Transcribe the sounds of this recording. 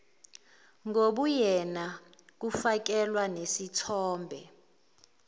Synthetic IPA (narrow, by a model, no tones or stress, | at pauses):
ŋoɓujɛna | k̬ufak̬ɛlwanesitʰɔːmbʱɛ